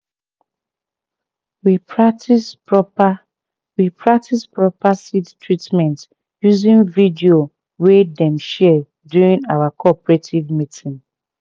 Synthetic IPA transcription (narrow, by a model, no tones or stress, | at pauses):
wipɹatis | wipʰɹak̚tʰispɹɔpasidtʰɹitmɛ̃nt | juzĩnvidio | wedɛ̃mʃɛ | djuɹĩnawakʰɔpɹetʰivmitʰĩn